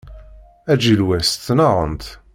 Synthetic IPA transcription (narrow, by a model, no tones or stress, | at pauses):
æd͡ʒilwæst͡sːnɑʁə̰nt̪